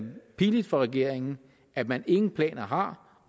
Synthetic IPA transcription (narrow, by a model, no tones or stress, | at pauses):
pʰiːlid̥fɒ̽ʁɛɡ̥e̝ɐ̰eŋn̩ | ʔæmæne̝ŋn̩pʰlɛ̰ːnɐɦɑ̈